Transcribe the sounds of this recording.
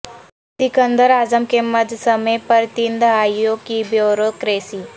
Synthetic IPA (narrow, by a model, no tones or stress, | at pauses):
d̪ɪkənd̪əɾaːzəmkeməd̪ʱsəmejpəɾt̪ind̪aːjoːɡkibjoːɾoːd̪̚kɾeːsi